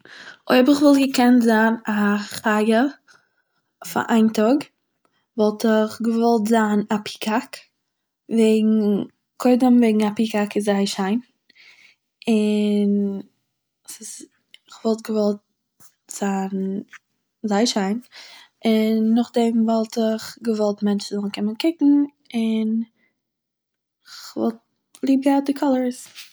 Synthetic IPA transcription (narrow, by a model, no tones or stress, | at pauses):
ɔ̰ɪbɪχvɔlˠtɡəkɛntzaːnaχaɡə | fa̰ʔaɪntɔɡ | vɔlˠtɪχɡəvɔlˠtzaːnapʰi̥kʰak | veɪɡŋ̩ | kʰɔɪdəmveɪɡŋ̩apikakɪzaɪʃaɪn | ɪn | sɪz | ɪχvɔlˠtɡəvɔlˠt̚ | z̥aːn | zaɪʃaɪn | ɪnːʊχdɛmvɔlˠtɪχɡəvɔlˠtmɛnt͡ʃzɔlˠnkʰɪmənkɪkŋ̩ | ɪn | ɪχvɔ̰lˠt̚ | lˠiːb̚ɡaʊt̚dɪkʰɔlˠəɹs